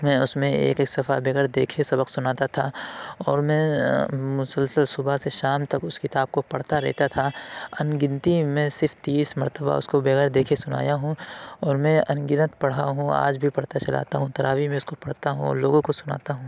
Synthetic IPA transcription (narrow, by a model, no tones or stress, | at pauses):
mɛ̃ːʊsmẽḛːkeksɐfabeːɡəɽd̪eːkʰesɐbəqsʊnaːt̪at̪ʰaɔːɾmɛ̃ːmʊsəlsəlsʊbaseʃaːmt̪ɐkʊskɪt̪aːb̚kopɐɽ̤t̪aɾɛ̰ɦt̪at̪ʰaɐnɡɪ̃nt̪imẽsɪɾfʰt̪iːsmɐɾt̪əba̰ʊ̰skobeːɡəɾd̪eːkʰesʊna̰ːjaɦũɔːɾmɛ̃ɐnɡɪnət̪pɐɽ̤aɦũa̰ːd͡ʒbʱipɐɽt̪at͡ʃɐla̰ːt̪aɦũt̪ɐɾʔa̰ːʋimẽʊskopɐɽ̤t̪aɦṵ̃loːɡõkosʊna̰ːt̪aɦũː